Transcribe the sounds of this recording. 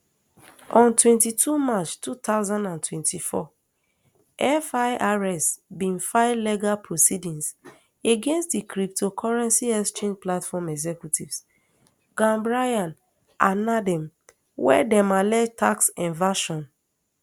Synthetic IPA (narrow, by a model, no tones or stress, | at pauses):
ʔɔ̃ntwɛ̃ntitʰumat͡ʃtut̪aʊzãndãntwɛ̃ntʰifɔ̰ | ʔɛfaɪʔaɹɛsbĩnfaɪvleɡalpʰɹosidĩns | eɡẽnstdikɹip̚tʰokʰɔɹɛ̃nsiɛstẽnplatfɔmɛɡzɛkjutivs | ɡãmbɹajãn | ʔãnadɛ̃m | wɛ̰dɛ̃malɛd͡ʒtʰaksɛ̃nvaʃɔ̃n